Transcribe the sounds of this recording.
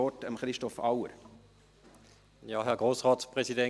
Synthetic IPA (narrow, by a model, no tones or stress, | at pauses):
ɔtəmχɾɪʃtɔfa̰wə̰ɾ | jɑːɦɛɐɡʁoːsʁɑːtspʁɛsidɛ